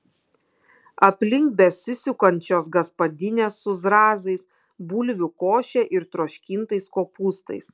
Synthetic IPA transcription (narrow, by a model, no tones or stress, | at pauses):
ɐpʲlʲɪŋk̚bʲɛsʲɪsʲʊkɐnʲt͡ʃʲoːs̬ɡɐspɐd̪ʲɪnʲeːsːʊzɾɑːzɐɪs | buːlʲʋʲʊkoːʃʲɛʔɪɾt̪ɾoːʃʲkʲɪnt̪ɐɪskoːpuːst̪ɐ̰ɪs